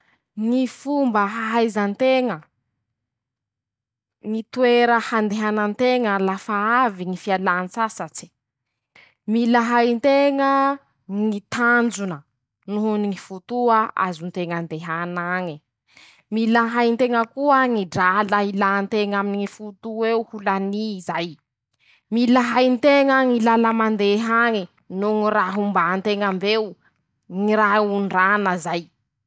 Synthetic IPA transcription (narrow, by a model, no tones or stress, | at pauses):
ŋifumbəɦaɦajzant̪eŋə | ŋit̪ueɾəhand̪eɦanant̪eŋəlafaaviŋifialansasat͡si̥ | milaɦajnt̪eŋə | ŋit̪and͡zunə | nuɦuniŋifut̪uaʔa̰zunt̪eŋand̪eɦanaŋi | milaɦajnt̪eŋəkuəŋiɖ͡ʐalailant̪eŋaminiŋifut̪ueuhulanizaj | milaɦajnt̪eŋəŋilalamand̪eɦaŋi | nuŋiraɦumbant̪eŋambew | ŋiɾauɳɖ͡ʐanəzaj